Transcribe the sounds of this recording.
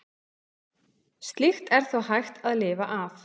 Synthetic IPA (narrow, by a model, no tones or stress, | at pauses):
st̪lixt̪ɛɾ̥θawɦajxt̪aðlɪːvaʔaf